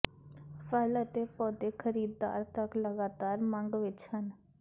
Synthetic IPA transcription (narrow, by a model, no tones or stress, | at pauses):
pʰələt̪epɔːd̪ekʰəɾiːd̪ːa̰ːɾt̪əkləɡaːt̪aːɾmãŋɡʋɪt͡ʃhən